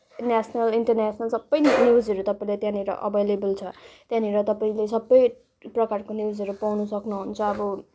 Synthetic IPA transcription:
nasʰʌnʌliɳʈʌrnasʰnʌlsʌbːʌjnjiwd͡zʌɾut̪ʌpaĩlet̪jãniɾʌ̰ʔʌ̰bʱejlebʌlt͡sʰʌt̪jãniɾʌt̪ʌpaĩles̬ʌbːʌj | prʌkarkonid͡zʌɾupawnusʌknuɦunt͡sʰʌːbʌ

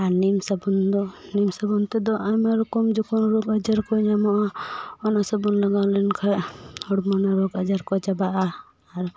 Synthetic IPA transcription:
aɾnimsabund̪ɔnimsabunt̪ɛd̪ɔʔamɛɾukɔmd͡ʒɔkɔnɾɔkad͡ʒaɾkɔɲamɔʔaɔnasabunlaɡalɛnkʰaɔɽmɔnaɾɔkad͡ʒaɾkɔd͡ʒabaʔaː | ɾ

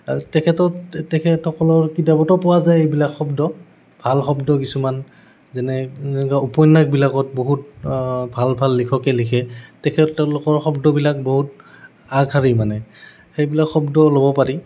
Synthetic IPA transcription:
atɛkʰɛtɔtɛkʰɛtʰɔkɔlɔɹkidabɔtɔpɔwazajejbilakxɔbdɔ | b̥ʱalxɔbdɔkisuman | zɛnɛɛkaupɔjnːak̚bilakɔt̚boɦut̚bʱalbʱalːikʰɔkɛlikʰɛtɛkʰɛɛ̃lokɔɹxɔbdɔbilak̚boɦut | aɡʱɦaɹimanɛ | xejbilakxɔbdɔlobɔpaɹi

